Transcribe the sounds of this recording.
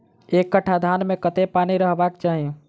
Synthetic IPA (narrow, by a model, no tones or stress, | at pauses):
ekːəʈʰad̪ʱanmekət̪epaniɾəɦbakt͡ʃaɦiẽ